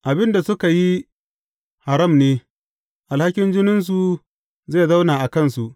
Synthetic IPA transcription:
ʔa˨bɪ˦nda˨sʊ˦ka˨ji˦ | ha˨ɾɐ˦˨mneː˦ | ʔa˨lha˦kʲɪ˦nd͡ʒɪ˦nʊ˦ns̬u˨ | zeː˦˨zɐ˦wnaː˨ʔa˨kɐ˦nsu˨ʔ

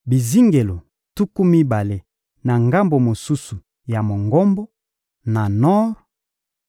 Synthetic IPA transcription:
bi˨zi˦ŋɡe˨lo˨ | tu˦ku˦mi˦ba˨le˦ | na˨ŋɡa˦mbo˨mo˨su˦su˨ | ja˨mo˨ŋɡɔ˦mbo˦ | na˨nɔ˦ʁ

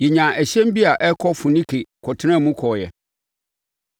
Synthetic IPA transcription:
jɛ˨ɲã˨ɛ˨ɕɛ̃˦m̩˦bi˦a˨ʔɛ˦kʰɔ˦fʊ̃˨nĩ˦kʰe˨kʰɔ˨tʰɪ˦ã˦˨mũ˦kʰɔː˨jɛ̰˨

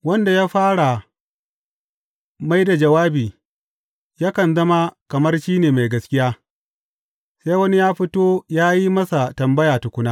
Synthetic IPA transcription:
wɐ˦nda˨jaː˦ɸaː˦ɽa˨ | ma˦jda˨d͡ʒɐ˨waː˦biː˨ | ja˦kɐ˨nzɐ˦ma˦kɐ˨mɐ˦rʃiː˦neː˨ma˨jɡɐ˦skʲɪ˦jaː˦ | sa˦jwɐ˦ni˦jaː˦ɸɪ˦toː˦jaː˦ji˦mɐ˦sa˨tɐ˨mbɐ˦jaː˨tu˨kʷʊ˦naː˦

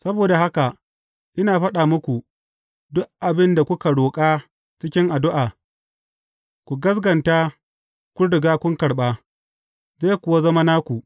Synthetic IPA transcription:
sɐ˦boː˨da˨ɦa˦ka˨ | ʔɪ˦naː˨ɸɐ˦ɗaː˨mʊ˦kʷu˨ | dʊ˦kʔa˨bɪ˦nda˨kʷʊ˦ka˨ɽoː˨kʼaː˦ | t͡ʃɪ˦kʲɪ˦ŋʔa˨dʊ˦ʔaː˨ | kʷu˨ɡɐ˦s̬ɡɐ˨ntaː˦ | kʷʊ˦ɽɪ˨ɡaː˦kʷʊ˦ŋkɐ˨ɽɓaː˦ | zaː˦jkʷʊ˨wa˦zɐ˦ma˦naː˦kʷu˨

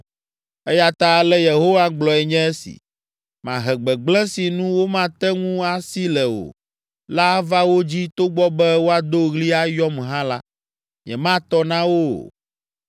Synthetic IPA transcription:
ɛ˦ja˦t̪a˦lɛ˦je˨ɦo˦wa˦ɡ͡blɔ˨ɛ˨ɲɛ̃˦ɛ˦sḭ˨ | mã˨ɦɛ˨ɡ͡bɛ˨ɡ͡blɛ̃˦si˨nũ˦wo˦mã˦t̪ɛ˦ŋũ˦a˦si˦lɛ˨wo̰˨ | la˦va˦wo˦d͡ʑi˦t̪o˦ɡ͡bɔ˦bɛ˦wo˦a˨d̪o˦ɣli˦a˦jɔ˦mɦã˦la˦ | ɲɛ̰̃˨mã˦t̪ɔ˦nã˦wo˦

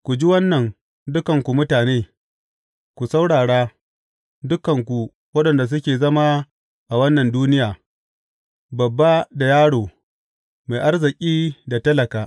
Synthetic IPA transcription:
kʷu˨d͡ʒi˦wɐ˦nːɐ˨n | dʊ˦kɐ˨ŋkʷu˨mʊ˦taː˨neː˦ | kʷu˨sa˦wɽaː˨ɽaː˦ | dʊ˦kɐ˨ŋkʷu˨ | wɐ˦ɗɐ˨nda˨s̬ʊ˦kʲeː˨zɐ˦ma˦ | ʔa˨wɐ˦nːɐ˨nduː˦nɪ˦jaː˨ | bɐ˨bːa˦da˨jaː˦ɽoː˨ | ma˨jʔa˦rzɪ˨kʲʼiː˦da˨tɐ˦lɐ˨kaː˨ʔ

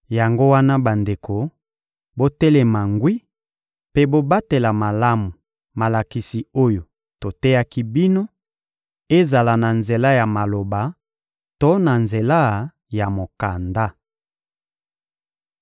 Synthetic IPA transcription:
ja˨ŋɡo˦wa˦na˦ba˨nde˨ko˨ | bo˦tɛ˦lɛ˨ma˨ŋɡwi˦ | pe˦bo˦ba˦te˨la˨ma˨la˦mu˨ | ma˨la˨ki˨si˨o˦jo˨ | to˨tɛ˦ja˦ki˦bi˦no˦ | e˦za˨la˨na˨nze˨la˦ja˨ma˨lo˨ba˨ | to˦na˨nze˨la˦ | ja˨mo˨ka˨nda˦

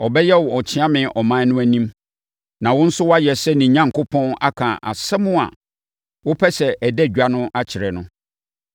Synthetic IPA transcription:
ɔ˨bɛ˦jɛ˦wɔ˨t͡ɕʰɪ̃˦ã˦mɪ̃˨ʔɔ˨mã˦nʊ̃˦æ˦nĩ˦m | nã˨wʊ̃˦n̩˦sʊ˦wɔ˦a˦jɛ˨sɛ˦nĩ˨ɲã˦˨ŋkʊ˦pʰɔ̃˦na̰˦kʰã˨ʔa̰˨sɛ˦mʊ̃˦a̰˨ | wʊ˦pʰɛ˦sɛ˨ʔæ˨dɛ˦˨ɥa˦nʊ̃˦ʔa˦t͡ɕʰɪ˨ɾɛ˨nʊ̃˦

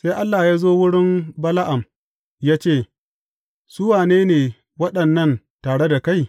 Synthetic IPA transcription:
sa˦jʔa˦lːaː˨jaː˦zoː˦wʊ˦ɽɪ˦mbɐ˦la˦ʔa˨m | jaː˦t͡ʃeː˦˨ | sʊ˦waː˨neː˦neː˨ | wɐ˦ɗɐ˨nːɐ˦˨n | taː˨ɽe˦da˨ka˦j

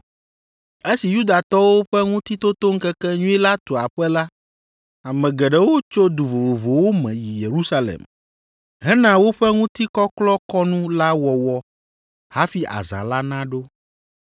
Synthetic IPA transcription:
e˦si˨ju˦d̪a˨t̪ɔ˦wo˦ɸɛ˦ŋũ˦t̪i˦t̪o˦t̪o˦ŋ̩˦kɛ˦kɛ˦ɲũ˦ɛ˦la˦t̪o˨a˨ɸɛ˦la˦ | a˨mɛ̃˨ɡɛ˨ɖɛ˨wo˦t͡ʃo˦d̪u˨vo˨vo˨vo˨wo˦mɛ̰̃˨ji˨je˨ɾu˦sa˦lɛ̰˨m | ɦɛ˦nã˦wo˦ɸɛ˦ŋũ˦t̪i˦kɔ˦klɔ˦kɔ˦nũ˦la˦wɔ˨wɔ˦ | ha˦fi˦ʔa̰˨za̰˨la˦nã˦ɖo˦

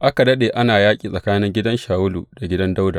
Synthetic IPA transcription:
ʔa˦ka˨dɐ˦ɗeː˨ʔa˦naː˨jaː˦kʲʼiː˨sʼɐ˨kaː˦nɪ˦ŋɡʲɪ˦dɐ˦nʃaː˨wʊ˦luː˨da˨ɡʲɪ˦dɐ˦nda˦wdaː˨

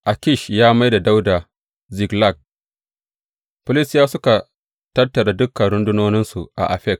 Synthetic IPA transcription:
ʔa˨kʲɪ˦˨ʃjaː˦ma˦jda˨da˦wda˨ | zɪ˨ɡla˦˨k̚ | pʊ˦lɪ˦˨sjaː˦sʊ˦ka˨ | tɐ˦rtɐ˨ɽa˨dʊ˦kːɐ˨ɽʊ˦ndʊ˦noː˦nɪ˦nsu˨ʔa̰˨ʔa̰˨ɸɛ˦˨k̚

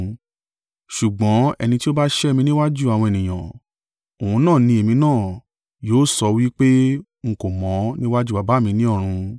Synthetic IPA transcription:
ʃu˨ɡ͡bɔ̃˨˦ɛ̰˧nĩ˧ti˦o˦ba˦ʃɛ˦˨mĩ˧nĩ˦wa˦d͡ʒu˦˨a˨w̃ɔ̃˧e˨nĩ˨j̃ã̰˨ | o˨hũ˧˦nãː˦˨nĩ˧e˨mĩ˧nãː˦˨ | joː˨˦sɔ˧wi˦k͡pe˦ | ŋ̩˦ko˨mɔ̃˨˦nĩ˦wa˦d͡ʒu˦˨a˨ba˨˦˨mĩ˧nĩ˦ɔ˦˨ɾ̃ũ˧

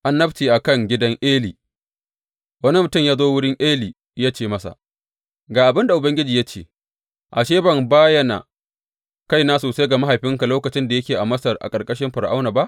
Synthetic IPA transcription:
ʔa˨nːɐ˦btiː˨ʔa˨kɐ˦˨ŋɡʲɪ˦dɐ˦ŋʔeː˦liː˨ | wɐ˦ni˦mʊ˨tʊ˦˨mjaː˦zoː˦wʊ˦ɽɪ˦ŋʔeː˦liː˨ | jaː˦t͡ʃeː˦˨mɐ˦sa̰˨ | ɡaː˨ʔa˨bɪ˦nda˨ʔʊ˨bɐ˦ŋɡʲɪ˦d͡ʒiː˨ja˦t͡ʃḛː˦˨ | ʔa˨ʃeː˦bɐ˨mbaː˦jɐ˦na̰˨ | ka˦˨jnaː˦soː˨sa˦jɡa˨ma˦ɦa˨jɸɪ˦ŋka˨loː˦kɐ˨t͡ʃɪ˦nda˨jɐ˦kʲeː˨ʔa˨mɐ˦sɐ˨rʔa̰˨kʼɐ˨rkʼɐ˦ʃɪ˦mɸɐ˨ɾʔa˦wnaː˨ba˦ʔ

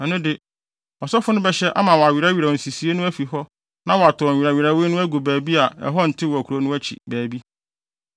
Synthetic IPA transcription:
ã˨nʊ̃˦dɪ˨ | ɔ˨sɔ˦fʊ˦nʊ̃˦bɛ˦ɕɛ˦ʔa̰˦mã˨wɔ˨a˨ɥi˨ɾa˦ɥi˨ɾa˨ɔ˨n̩˨si˨si˨e˦nʊ̃˦æ˦fi˨ɦɔ˦ | nã˦wɔ˨a˨tʰʊ˨ɔ˨ɥi˨ɾa˨ɥi˨ɾa˨˦we˦nʊ̃˦æ˦ɡu˨bæː˨bi˦a˨ɛ̰˨ɦɔ˦n̩˨tʰɪ˦wɔ˨æ˨kʰu˨ɾo˦nʊ̃˦æ˦t͡ɕʰḭ˨bæː˨bi˦

